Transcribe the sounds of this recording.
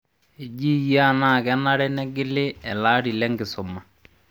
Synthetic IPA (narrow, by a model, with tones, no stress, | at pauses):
e˨d͡ʒi˦ja˦˨na˦˨kɛ˦na˦ɾɛ˦nɛ˦ɡɪ˦lɪ˦ɛ˨laː˦ɾi˨lɛ˦ŋɡɪ˨sʊ˨ma˨